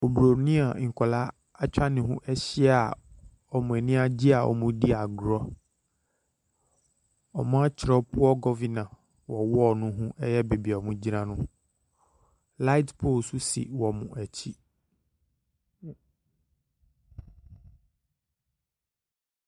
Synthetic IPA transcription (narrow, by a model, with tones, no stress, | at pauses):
o˨bɾo˨nĩ˦a˨ŋ̩˨kʰɔ˨la˦ | a˦t͡ɕᶣa˦nɪ̃˨ɦũ˦ʔɛ˦ɕɪ˦a˨ | ɔ˨mʊ̃˨æ˨nĩ˦a˦d͡ʑi˦a˨ʔɔ̰˨mʊ̃˨di˦a˨ɡɾɔ˦ | ɔ˨mã˦t͡ɕʰɪ˨ɾɔ˦pʊ˦ɔ˦ɡɔ˦vi˦nã˨ | wɔ˨wɔ˦ɔ˦˨nʊ̃˦ɦũ˦ʔɛ˦jɛ˦be˨bi˨a˨mʊ̃˦d͡ʑi˦nã˦nʊ̃˦ | la˦i˦tpʰo˦˨su˦sḭ˨wɔ˨mʊ̃˨ʔæ˨t͡ɕʰi˦